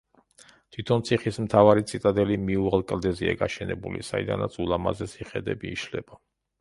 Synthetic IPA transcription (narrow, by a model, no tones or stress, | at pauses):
t̪ʰwit̪ʰɔnt̪sʰiχismt̪ʰavaɾit̪sʰʼit̪ʼad̪ɛlimiualˠkʼld̪ɛziaɡaʃɛnɛbulḭsaid̪a̰nat̪sʰʼulˠama̰zɛsiχɛd̪ɛ̰biːʃlɛ̰b̥a